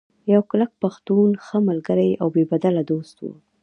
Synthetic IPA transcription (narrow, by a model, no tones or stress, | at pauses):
jawklak̚paxt̪unxəmalɡəɾaja̰wbebad̪alad̪ost̪wṵ